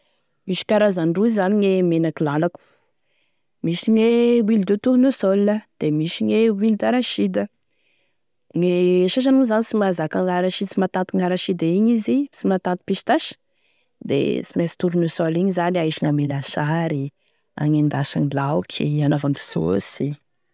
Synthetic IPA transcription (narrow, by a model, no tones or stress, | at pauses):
miʃi̥kaɾazaɳɖ͡ʐuizzaniɲemenakilalaku̥ | miʃiɲewild̪et̪uɾunosɔlːəd̪̥emiʃiɲewild̪aɾaʃid̪ə | ŋeʃaʃ̬anuzanisimazakaŋaɾaʃid̪simat̪at̪iŋaɾaʃid̪aiɲizisimat̪at̪i̥piʃt̪aʃ | d̪ḛt͡simesi̥t̪uɾunesɔliɲizanaiʃiŋamelaʃaɾi | a̰ŋend̪aʃanilawkʰianavand̪u̥so̰si